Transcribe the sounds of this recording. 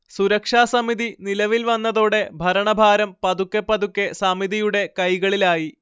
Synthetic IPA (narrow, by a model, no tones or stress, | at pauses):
suɾɐkʂaːsɐmiðinilɐʋilʋɐnːɐðoːɽe̞bʱɐɾɐɳɐbʱaːɾɐmpɐðukːepːɐðukːe̞sɐmiðijuɽe̞kɐjɣɐɭilaːji